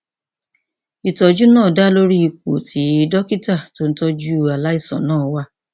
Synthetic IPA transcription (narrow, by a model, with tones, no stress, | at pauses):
i˨tɔ˨d͡ʒu˦nãː˦˨da˦lo˦ɾi˦i˧ko̰˨tʰi˨˦i˦dɔ˦ki˦ta˦˨to˦n̩˦tɔ˧d͡ʒu˦a˨˧la˦i˦˨sɔ̰̃˨nãː˦˨wa˧˦